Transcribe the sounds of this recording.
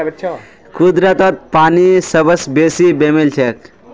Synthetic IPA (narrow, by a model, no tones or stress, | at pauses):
kud̪ɾət̪ət̪̚paːnisəbəsbesibemilt͡ʃʰek